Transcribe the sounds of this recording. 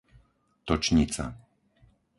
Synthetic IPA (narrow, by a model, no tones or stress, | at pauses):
t̪ɔt͡ʃɲit͡sa̰